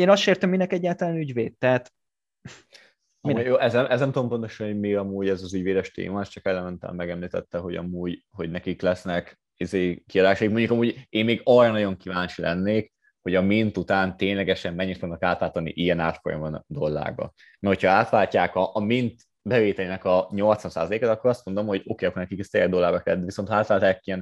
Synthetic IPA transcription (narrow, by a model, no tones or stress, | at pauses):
eːnɒsʃeːrt̪əmːinɛkɛɟːaːlt̪ɒlaːnyɟveːt̪ːɛɦat̪ | mimujoːʔɛzɛmʔɛznɛmt̪uompo̞nt̪o̞ʃɒnhomiːɡɒmuːɟɛzɒzyɟveːd̪ɛʃt̪ḛːmɒɛst͡ʃɒkɛlɛmɛnt̪ɛ̰mmːɛɡɛmliːt̪ɛ̰t̪ːɛɦo̞ɟɒ̰muːɟho̞ɟnɛkiklɛsnɛk | izeːkiɒd̪aːʃɒjik̚mo̞ɲɟukɒmuːɟeːnmeːɡɒrɒnɒɟo̞ŋkivaːnt͡ʃilʔɛ̰nːeːk | ho̞ɟɒmint̪ut̪aːnt̪eːɲlɛɡɛʃɛmːɛɲːit̪uɡnkaːt̪laːt̪ɒnːḭʔijɛnaːt̪fo̰jɒ̰mond̪o̞lːa̰ːɡbɒ̰ | mɛho̞cʰhɒaːt̪ʋaːcːaːkɒʔːmint̪ | bɛveːt̪ɛleːnɛkɒɲo̞lt̪sʋɒnsa̰ːzɒleːkaːt̪ɒkːo̞ɾɒst̪mo̞nd̪o̞mho̞ɟo̞keːɒkornɛkikɛst̪ɛjɛd̪o̞lːaːbɒkɛɛd̪viso̞nt̪aːt̪laːlt̪akːijɛn